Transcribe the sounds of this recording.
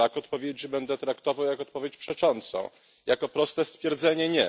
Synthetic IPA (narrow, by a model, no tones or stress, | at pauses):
akɔt̪pɔvʲjed͡ʑibɛnd̪ɛt̪ɾakt̪ɔvawjakɔt̪pɔvʲjet͡ɕpʂɛt͡ʂɔnt̪sɔ̰̃w̃ | jakɔpɾɔst̪ɛst̪fʲjɛɾd̪zɛɲɛɲɛ